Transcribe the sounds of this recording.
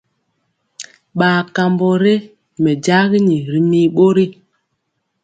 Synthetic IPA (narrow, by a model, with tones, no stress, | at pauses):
ɓaː˨ka˨mbɔ˨ɾe˦ | mɛ˨d͡ʒa˦ɣi˦ɲi˨ɾi˨mi˦ɓo˦ɾi˦